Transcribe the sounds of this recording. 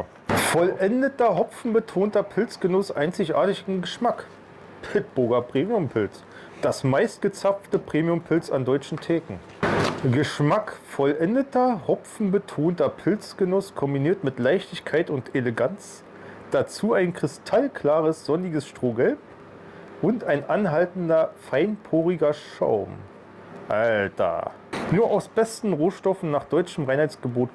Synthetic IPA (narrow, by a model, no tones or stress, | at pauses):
fɔlʔɛndətɐɦɔpfn̩bətʰoːntɐpʰɪlt͡sɡ̥ənʊsʔaɪnt͡sɪçʔa̰ːɐtɪçɪnɡəʃmak | pʰɪtb̥ʊɐɡɐpʁ̥eːmiʊmpʰɪlt͡s | d̥asmaɪst̚ɡ̥ət͡saftəpʁ̥eːmiʊmpʰɪlt͡sa̰ndɔʏt͡ʃn̩tʰɛːkŋ̩ | ɡəʃmakfɔlʔɛndətɐhɔpp͡fn̩bətʰoːntɐpʰɪlt͡sɡ̥ənʊskʰɔmbiniːɐtmɪtlaɪçtɪçkʰaɪtʊnteləɡant͡s | d̥at͡suːaɪnkʁ̥ɪstʰalkʰl̥aːʁəsz̥ɔnɪɡəsʃtʁ̥oːɡɛlp̚ | ʔʊntaɪnʔanɦaltn̩dɐfaɪnpʰoːʁiɡɐʃa̰ʊm | ʔaltɐ̰ | nuːɐʔaʊsb̥ɛstn̩ʁoːʃtɔfn̩naːχd̥ɔʏt͡ʃəmʁaɪnhaɪt͡sɡ̥əboːt